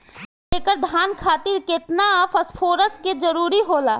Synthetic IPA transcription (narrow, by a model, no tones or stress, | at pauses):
eːkəɾd̪ʱjaːnkʰaːt̪iɾkɪt̪naːfɐspʰoːɾəsked͡ʒɐɾuːɾiɦoːlaː